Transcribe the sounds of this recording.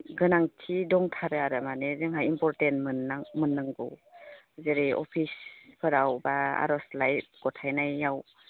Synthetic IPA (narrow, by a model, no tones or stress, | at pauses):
ɡɯnaŋtʰidɔŋtʰaɾɯaɾɯmanezɯŋɦajimpɔɾtentmɯnamɯnːɯŋɡṵw | zeɾiʔɔ̰pʰispʰɯɾawbaa̰ɾɔslajt̚ɡ̥ɔtʰajnajːaw